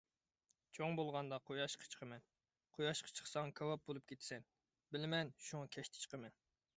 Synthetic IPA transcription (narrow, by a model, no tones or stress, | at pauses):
t͡ʃʰoŋbolˠʁɑnd̪ɑqʰojɑʃqʰə̥t͡ʃʰqʰəmɛn | qʰojɑʃqʰə̥t͡ʃʰə̥χsɑŋkʰɑwɑp̚bolˠup̚kʲʰet̪ʰɪ̥sɛn | bɪlɪmɛnʃuŋɑkʲʰɛʃt̪ʰɪ̥t͡ʃʰə̥qʰəmɛn